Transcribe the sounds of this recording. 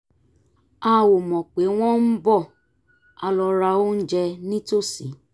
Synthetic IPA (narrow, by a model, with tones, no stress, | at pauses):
a˦˨wo˨mɔ̃˨k͡pe˨˦w̃ɔ̃˦n̩˦bɔ˦˨ | a˧lɔ˧ɾa˧o˦n̩˦d͡ʒɛ˧nĩ˦to˦˨si˨˦